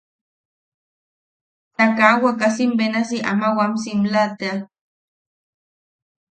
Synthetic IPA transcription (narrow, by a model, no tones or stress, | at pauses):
t̪akawakasimbenasiʔa̰mawamsimlat̪a